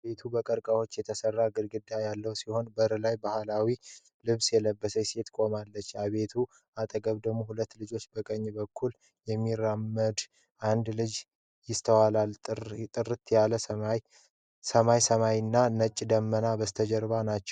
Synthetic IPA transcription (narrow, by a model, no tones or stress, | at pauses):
be̞t̪ʰubəkʼəɾkʼawo̞t͡ʃːjɛt̪ʰəsərːaɡɨɾɡɨd̪ːajalːəwsiho̞nbəɾlajbahalawi | lɨβsjɛləbːəsəse̞t̪kʼo̞malːət͡ʃːaβe̞t̪ʰu | ʔat̪ʼəɡəβd̪əɡmohulət̪ːlɨd͡ʒo̞t͡ʃːbəkʼəɲːbəkʰːul | jɛmːiɾːamːəd̪ | ʔand̪lɨd͡ʒ | jɪst̪ʰəwalalt̪ʼɨrːɨt̪jaləj | səmajsəmajnːanət͡ʃʼːd̪əmːənabəst̪ʰəd͡ʒɛɾβanat͡ʃːɛ̥w